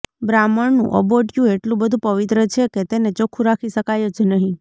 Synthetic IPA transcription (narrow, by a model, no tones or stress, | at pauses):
bɾaməɭnṵ̃ʔə̰boʈjũeʈlũbəd̪ʱũpəʋit̪ɾət͡ʃʰeket̪enet͡ʃokʰũɾakʰiʃəkajod͡ʒnəɦĩ